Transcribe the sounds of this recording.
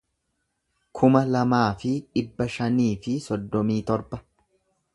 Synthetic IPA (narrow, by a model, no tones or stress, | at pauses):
kʰʊmɐlɐmaːfɪᶑɪbːɐʃɐniːfɪsɔd̪ːɔmiːt̪ɔɾbɐ